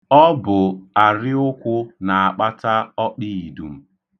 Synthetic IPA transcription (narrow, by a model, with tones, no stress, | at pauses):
ɔ˦bʊ˨a˨ɾɪ˦ʊ˦kʷʊ˦na˨a˨k͡pa˦ta˦ɔ˦k͡pi˦i˨du˨m̩˦